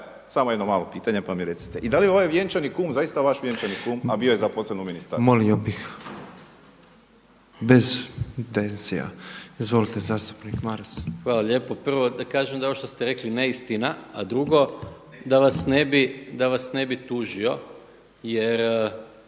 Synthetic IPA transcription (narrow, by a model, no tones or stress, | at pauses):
saːmojed̪nomaːlˠopiːt̪aɲepamjiɾet̪si̥t̪eʔid̪alijeoʋajʋjent͡ʃanikuːmzajist̪aʋaʃʋjent͡ʃanikuːmabijojezaposlebnominist̪aɾmoliobix | be̞zt̪enzija̰izʋo̞lit̪ezaːst̪u̥pnikmaɾsxʋaːlˠaʎe̞ːpo̞pr̩ʋo̞d̪akaːʒemd̪aooʃt̪o̞st̪eɾe̞klineist̪inaad̪ɾuɡo̞ | d̪aʋasnebid̪aʋasne̞bit̪uʒio̞ | jeɾ